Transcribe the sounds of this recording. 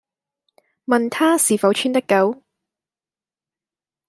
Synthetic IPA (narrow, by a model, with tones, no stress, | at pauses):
mɐ˨nt̪ʰaː˥siː˨fɐ˨˧˥wt͡ʃʰyː˥nt̪ɐ˥kːɐ˨˥w